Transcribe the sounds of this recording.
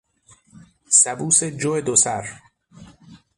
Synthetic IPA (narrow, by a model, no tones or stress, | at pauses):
sæbuːsed͡ʒoed̪osæɾ